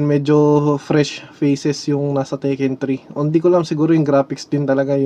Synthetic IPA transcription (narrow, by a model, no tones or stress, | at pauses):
nmɛːd͡ʒofɾɛʃfɛjsɛsjʊŋnaːsɐt̪ɛkɛnt̪ɾiʔʊnd̪ikolɐɐmsɪɡuːɾojʊŋɡɾaːpɪksd̪ɪnt̪ɐlɐɡaj